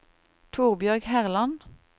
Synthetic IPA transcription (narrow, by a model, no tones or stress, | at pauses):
t̪ʰuːʁbjœʁɡhæʁlɑn